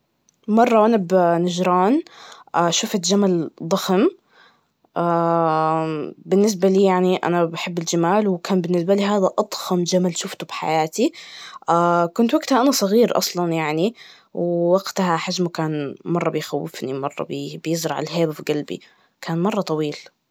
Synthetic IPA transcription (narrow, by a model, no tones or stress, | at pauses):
mɑrˤːɑwʔanabnad͡ʒɾɑːnʔaːʃʊfat̪d͡ʒamald̪ˤɑxm | ʔa | bɪnːɪs̬baliːjaʕniʔa̰nabaħɪbːɪld͡ʒamaːlwkaːnbɪnːɪsbaliːɦaːðaʔɑd̪ˤxɑmd͡ʒamalʃʊft̪ʊbħa̰jaːt̪iʔaːkʊnt̪waɡt̪haʔanasˤɑɣiːɾʔɑ̰sˤlɑnjaʕni | wɪwaɡt̪ahaħaʒmʊkaːnmɑrˤːɑbɪjxawːɪfnimɑrˤːɑ̰bibjɪzɾˤɑʕa̰lɦeːbafɡalbḭ | kʰaːnmɑrˤːɑt̪ˤɑwiːl